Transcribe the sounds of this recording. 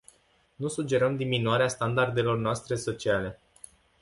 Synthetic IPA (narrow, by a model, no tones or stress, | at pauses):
nusud͡ʒe̞ɾəmd̪iminuaɾeast̪and̪ard̪e̞lo̞rnoast̪ɾe̞so̞t͡ʃiale̞